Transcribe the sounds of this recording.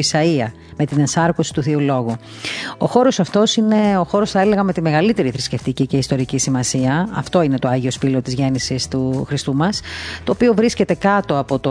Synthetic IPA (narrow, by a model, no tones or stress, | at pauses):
isɐiɐ | me̞t̪inensɐɾkosi̥t̪uθiulo̞ɣu | o̞xo̞ɾo̞sɐft̪o̞sine̞oxo̞ɾosθɐe̞le̞ɣɐme̞t̪ime̞ɣɐlit̪e̞ɾiθɾisce̞ft̪icice̞ist̪oɾicisimɐsiɐɐft̪o̞ine̞t̪oɐʝio̞spilo̞t̪izʝe̞nisist̪uxɾist̪umɐst̪o̞ːpio̞vɾisce̞t̪e̞kɐt̪o̞ɐpo̞t̪o